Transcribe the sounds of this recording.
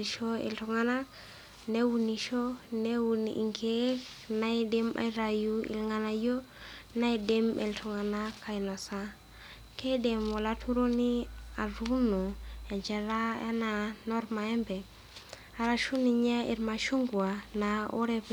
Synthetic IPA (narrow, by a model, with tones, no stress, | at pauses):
iʃo˦ḛ˨ltuŋa˦na˦k | ne˦wu˨ni˨ʃo˦newu˨nʔḭ˨ŋke˦k | na˦ide˦ma̰˨jɾa˨ju˦ḭ˨lŋa˨na˨jo˦ | na˦ide˦mḛ˨ltʰu˨ŋa˨nakʰːa˨jno˨sa˦ | ke˦de˨mwa˨la˦tʰu˦ɾo˦ni˦a˨ɾu˦no˨a˨nd͡ʒe˨ɾa˦a̰˦na˨no˦ɾma˨e˦mbe˨ | a˨ɾa˨ʃu˦ni˨ɲa˦ḭ˨ɾma˨ʃu˦ŋɡu˨a˨na˨o̰˦ɾe˦p